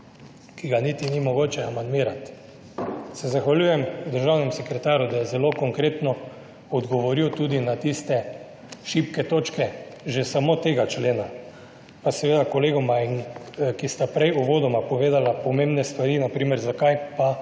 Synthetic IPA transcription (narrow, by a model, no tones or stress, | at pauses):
kiɡanit̪inimɔɡoːt͡ʃɛamand̪miːɾat̪ | sɛzaxʋalʲjujɛmd̪əɾʒawnɛmsɛkɾɛt̪aːɾud̪ajɛzɛlokɔŋkɾeːt̪nɔ | ɔd̪ɡɔʋɔɾiwt̪uːd̪inat̪ist̪ɛ | ʃipkɛt̪oːt͡ʃkɛʒesamot̪eːɡat͡ʃleːna | pasɛʋeːd̪akɔleːɡɔmainkist̪apɾɛjuʋoːd̪ɔmapɔʋeːd̪alapɔmẽːmbnɛst̪ʋaɾinapɾiːmɛɾzakajpa